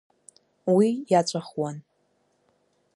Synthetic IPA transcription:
wijat͡ʃʷʼaχwan

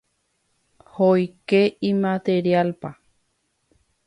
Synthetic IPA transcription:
hojkeimãt̪eɾjalpa

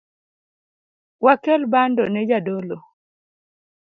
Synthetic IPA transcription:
wakɛlbandɔnɛd͡ʒadolo

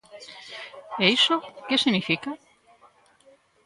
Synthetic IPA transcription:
eisokesinifika

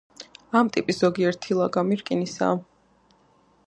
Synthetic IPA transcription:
amt̪ʼipʼisz̥ɔɡiɛɾt̪ʰilˠaɡamiɾkʼinisa̰ː

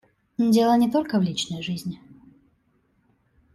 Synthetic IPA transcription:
ndʲelˠənʲɪt̪o̞lʲkəvlʲit͡ɕnəjʐɨzʲnʲɪ

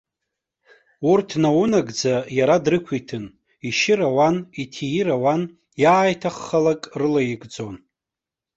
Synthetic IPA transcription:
urtʰnawunaɡd͡zajaɾadrɨkʷʰitʰɨn | iʃɪɾawanitʰijiɾawan | jaːjtʰaχːalakʼrɨlajɪɡʼd͡zo̞n

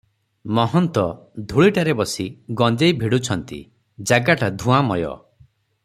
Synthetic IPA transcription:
mɔɦɔnt̪ɔd̪ʱuɭiʈaɾebɔsiɡɔnd͡ʒejbʱiɽut͡ʃʰɔnt̪ḭ | d͡ʒaɡaʈad̪ʱũamɔjɔ̰

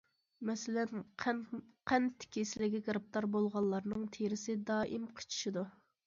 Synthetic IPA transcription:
mɛsɪlɛn | qʰɛnt̪ʰːɪ̥kʲisɪlɪɡʲiɡɾɨp̚t̪ɑɾbolˠʁɑlˠlːˠɑɾnɨŋt̪ʰeɾɪsɪd̪ɑːʔimqʰə̥t͡ʃʰi̥ʃid̪u

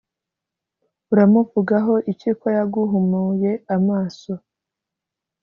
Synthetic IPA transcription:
uɾamuvuɡaɦo̞ʔiciːkojaɡuɦumuje̞amaːso̞

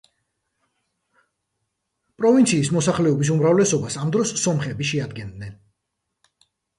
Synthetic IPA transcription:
pʼɾɔvint̪sʰiːsmɔsaχlɛɔbis̬umɾavlɛsɔbasamd̪ɾɔsːɔmχɛbiʃɛad̪ɡɛnd̪nɛn

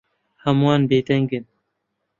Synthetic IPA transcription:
hɐmwɑːnbeːd̪ɛŋɡɨn

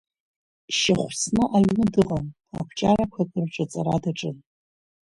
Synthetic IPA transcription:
ʃɪχʷsnɨʔaɥnɨdɨqʼam | a̰kʷʰt͡ʃʼarakʷʰakʼɨrʈ͡ʂʷʼat͡sʼaɾadaʈ͡ʂʼɨn

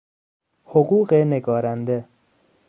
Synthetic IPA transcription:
hoɢuːɢeneɡɒːɾænd̪e

